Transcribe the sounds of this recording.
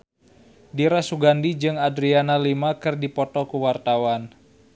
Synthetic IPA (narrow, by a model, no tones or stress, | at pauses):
diɾasuɡandid͡ʒɨŋadɾianalimakɨrdipɔt̪ɔkuwart̪awan